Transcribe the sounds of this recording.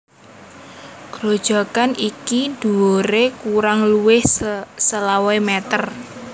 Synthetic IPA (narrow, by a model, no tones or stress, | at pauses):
ɡ̥ɾod̥ʒ̥a̤kanikid̪̥ṳoɾekuɾaŋluwɪhsəlawaemɛt̪ər